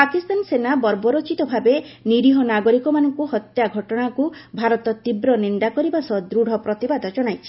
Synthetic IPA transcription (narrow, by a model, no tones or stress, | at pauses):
pakist̪ansenabɔɾbɔɾot͡ʃit̪ɔbʱabeniɾiɦɔnaɡoɾikɔmanɔŋkuhɔt̪jaɡʱɔʈɔɽ̃akubʱaɾɔt̪ɔt̪ibɾɔniɳɖakɔɾibasɔd̪ɾuɽ̤ʱɔpɾɔt̪ibad̪ʱɔd͡ʒɔɽ̃ajt͡ʃʰi̥